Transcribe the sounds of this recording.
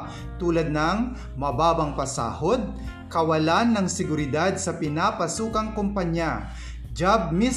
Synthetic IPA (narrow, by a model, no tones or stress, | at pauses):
t̪uːlɐd̪̚nɐŋ | mɐbaːbɐŋpɐsa̰ːhod̪̚ | kɐwɐlanːɐŋsɪɡʊɾɪd̪ad̪̚sɐpɪnaːpɐsuːkɐŋkʊmpɐɲja | d͡ʒab̚mis